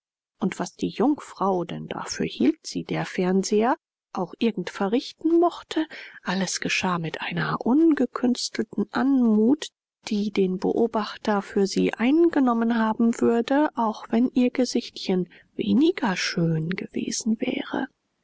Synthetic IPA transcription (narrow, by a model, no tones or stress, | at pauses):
ʔʊntv̥asd̥iːjʊŋfʁ̥aʊdɛ̰nd̥a̰fyːɐhiːltz̥iːdeːɐfɛɐnzeːɐ | ʔaʊxʔɪɐɡŋ̩tfɛɐʁɪçtn̩mɔχtʰəʔaləsɡ̥əʃaːmɪtʔaɪnɐʔʊnɡəkʰʏnstl̩tn̩ʔanmuːt | d̥iːdeːnbə̰ʔoːbaχtɐfyːɐziːʔaɪnɡənɔmənhaːbm̩vʏɐdəʔaʊxv̥ɛnʔiːɐɡəzɪçtçən | vḛːnɪɡɐʃøːnɡəvḛːz̥n̩vɛ̰ːʁə̰